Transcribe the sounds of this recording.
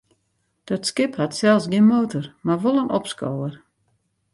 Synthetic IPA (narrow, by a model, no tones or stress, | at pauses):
d̥ɔtskɪphatsɛlˠsɡinmoːtɔrmarʋolˠənɔpsko̰wər